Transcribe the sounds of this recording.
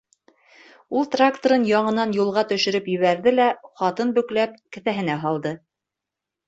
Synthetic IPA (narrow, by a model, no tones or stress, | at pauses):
ulˠt̪rakt̪oɾɤnjɑɴɤ̆nɑnjulˠʁɑt̪ɵ̆ʃɵ̆ɾɵpjɵ̆βæɾðɘlæχɑt̪ɤnbɵ̆klæp̚kɘ̆θæɦɘ̆næɦɑlˠd̪ɤ